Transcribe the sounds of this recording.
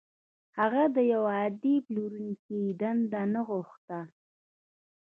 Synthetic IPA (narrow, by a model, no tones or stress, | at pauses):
haɣad̪əjawaːd̪ibluɾunkid̪and̪anəɣʊxt̪a